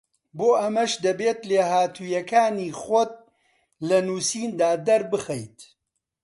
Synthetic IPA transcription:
boːʔɐmɐʃd̪ɐbeːt̪leːhaːt̪ʰuːjɐkaːniːxɔt̪̚ | lɐnuːsiːnd̪aːd̪ɐɾbɨxɛjt̪

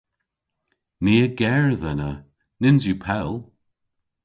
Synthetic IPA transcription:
niːəɡɛɹðənə | nɪnzjupʰɛlˠ

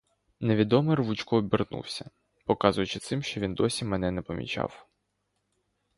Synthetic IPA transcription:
neʋʲid̪ɔmɪrʋut͡ʃkɔːbʲirnṵwsʲɐ | pɔkɑzʊjʊt͡ʃɪt̪sɪmʃt͡ʃɔʋʲind̪ɔsʲimɛn̪ɛnɛpɔmʲḭt͡ʃɑ̰w

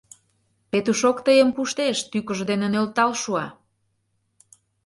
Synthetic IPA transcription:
pet̪uʃokt̪əjəmpuʃt̪eʃt̪ykə̆ʒd̪enenølt̪ɑlʃuɑ

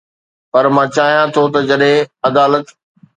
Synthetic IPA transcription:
pɐɾmãːt͡ɕaːɦijãt̪ʰot̪ɐd͡ʑɐɗɦẽɐd̪aːlət̪

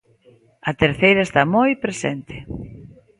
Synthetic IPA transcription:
ɐt̪eɾθejɾɐest̪amojpɾesent̪ɪ̥

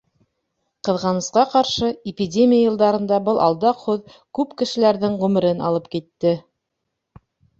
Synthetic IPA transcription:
qɤ̆ðʁɑnɤ̆sqɑqɑɾʃɤɪpʲidʲemʲijajɤ̆lˠd̪ɑɾɤ̆nd̪ɑbɤlˠʔɑ̰lˠd̪ɑqhuð | kʉpkɘ̆ʃɘ̆læɾðɘɴʁʉmɘ̆ɾɘnɑ̰lˠɤp̚kit̪ːɘ

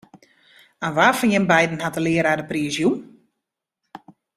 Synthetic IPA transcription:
anʋaːfɔnjɪnbɛjdn̩hatəlɪəɾaːdəpriəsjun

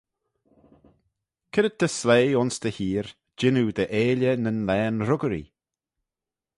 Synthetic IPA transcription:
kʰɪɾəd̪̚d̪̥əsleːʊnsd̪əhiːɹ | d͡ʒɪnud̪əʔeːljənənlɛːnɾʊɡəɾḭ

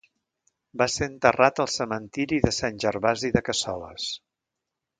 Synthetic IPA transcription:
baseənt̪ərat̪əlˠsəmənt̪iɾiðəsanʲʒəɾβaziðəkəsɔ̰lə̰s

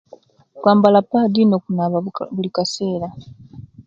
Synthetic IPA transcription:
kwaːmbalapːadino̞ːkunaβaβulikaseːɾa

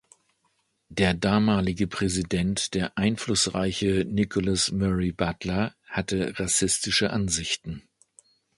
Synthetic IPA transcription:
d̥eːɐdaːmaːlɪɡəpʁ̥ɛzidɛntd̥eːɐʔaɪnflʊsʁaɪçənɪkʰʊlasmœʁibatlɐhatəʁasɪstɪʃəʔanzɪçtn̩

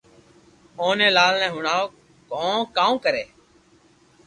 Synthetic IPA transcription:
oːnẽːlaːlnɛ̃ːɦʊɳaːoː | kõːkaːũːkəɾeː

